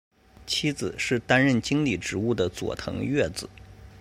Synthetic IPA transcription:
t͡ɕʰi˥d͡zɹ̩˨˩ʂɻ̩˥˩t̪a˥nɻə˥˩nt͡ɕi˥ŋli˨˥˩ʈ͡ʂɻ̩˧˥u˥˩d̪ə˩t͡swɔ̰˨˩t̪ʰɤ̰˧˥ŋɥɛ˥˩d͡zɹ̩˨˩˦

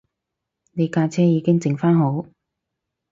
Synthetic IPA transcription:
ne˨˧jkaː˧t͡sʰɛː˥jiː˨˧kɪ˥ŋt͡sɪ˨ŋfaː˥nɦo˨˥w

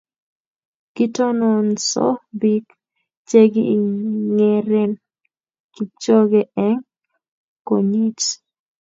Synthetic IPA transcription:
ki˦tɔ˦nɔ˨nsɔ̰˦bi˦k | t͡ʃe˦ɡi˨ŋɛɾɛ˦n | ki˨t͡ʃɔ˦ɡɛɛ˦ŋ | ko˨ɲi˦t͡ʃ

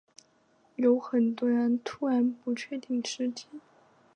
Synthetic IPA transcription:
jo˧˥ʊxə˨˩nt̪wɔ˥ɻə˧˥nt̪ʰu˥ɻa˧˥npu˧˥t͡ɕʰɥɛ˥˧t̪i˥˩ŋʈ͡ʂɻ̩˥t͡ɕi˥˩˦

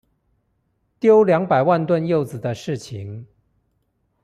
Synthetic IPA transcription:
t̪jo˥ʊljɑ˧˦ŋpa˨˩ɪwa˥˧nt̪wə˥˧njo˥˩ʊd͡zɹ̩˨˩d̪ə˦ʂɻ̩˥˩t͡ɕʰi˧˦ŋ

